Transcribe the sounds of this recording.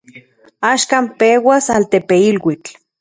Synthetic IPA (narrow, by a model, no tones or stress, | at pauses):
aːʃkaːmpewasalt̪epeilwit͡ɬ